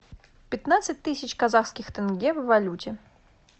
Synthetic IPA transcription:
pʲɪt̪nat̪sɨt̚ʲt̪ɨsʲɪt͡ɕkazaxskʲɪxt̪ɨnɡʲevːɐlʲutʲɪ

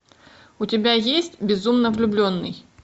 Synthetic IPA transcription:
ʊtʲɪbʲajesʲtʲbʲɪzumnəvlʲʊblʲo̞nːɨ̰j

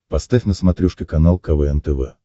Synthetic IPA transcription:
pɐst̪afʲnəsmɐt̪ɾʲuʂkʲɪkɐnalˠkɐvɛɛnt̪ɛvɛ̰

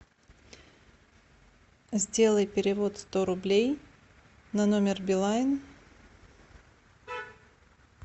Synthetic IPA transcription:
zʲdʲe̞lˠəjpʲɪɾʲɪvo̞t̪st̪o̞ɾʊblʲej | nɐno̞mʲɪrbʲɪlˠaɪn

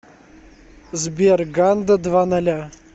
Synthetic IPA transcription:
zbʲerɡand̪əd̪vanalʲa

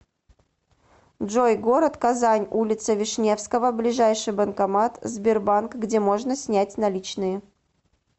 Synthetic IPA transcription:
dʐojɡo̞ɾət̪kɐzanʲulʲɪt̪səvʲɪʂnʲe̞fskəvəblʲɪʐajʂɨjbənkɐmat̪zʲbʲɪrbankɡdʲemo̞ʐnəsʲnʲætʲnɐlʲit͡ɕnɨjə

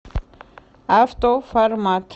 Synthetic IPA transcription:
aft̪ofɐɾmaːt̪ʰ

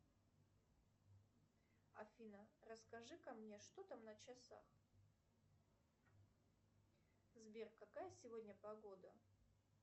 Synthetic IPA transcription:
ɐfʲinərəskɐʐɨkɐmnʲe̞ʂt̪ot̪amnət͡ɕɪsa̰x | zbʲerkɐkajəsʲɪvo̞dʲnʲəpɐɡo̞d̪ə

